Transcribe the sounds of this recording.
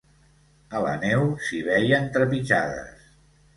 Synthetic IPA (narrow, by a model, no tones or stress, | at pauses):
ələ̰nɛwsiβɛjənt̪ɾəpit͡ʃaðə̰s